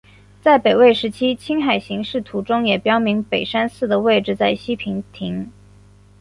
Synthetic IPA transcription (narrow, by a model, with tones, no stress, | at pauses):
t͡sa˥˩ɪpe˨˩ɪwe˥˩ɪʂɻ̩˧˥t͡ɕʰi˥t͡ɕʰi˥ŋxa˨˩ɪɕi˧˥ŋʂɻ̩˥˩t̪ʰu˧˥ʈ͡ʂʊ˥ŋjɛ˨˩pjɑ˥ʊmi˧˥ŋpe˨˩ɪʂa˥nsɹ̩˥˩d̪ə˩we˥˧ɪʈ͡ʂɻ̩˧t͡sa˥˩ɪɕi˥pʰi˧˥ŋt̪ʰi˧˥ŋ